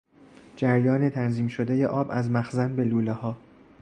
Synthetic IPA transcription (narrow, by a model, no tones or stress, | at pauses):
d͡ʒæɾjɒːnet̪ʰænziːmʃod̪eje̞ʔɒːbæzmæxzænbeluːlehɒː